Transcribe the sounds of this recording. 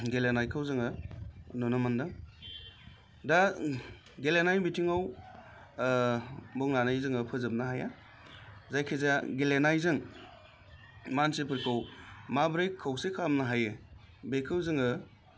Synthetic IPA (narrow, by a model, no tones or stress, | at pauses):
ɡelenajkʰɯwzɯŋɯnɔnɯmandaŋ | da | ɡelenajmitʰiŋaw | bɔŋnanajzɯŋɯpʰɯzɯp̚naɦaja | zajkʰezaɡelenajzɯŋ | mansepʰɯɾkʰɯwmabɾejkʰːawsekʰamnaɦajɯ | bekʰɯwzɯŋɯ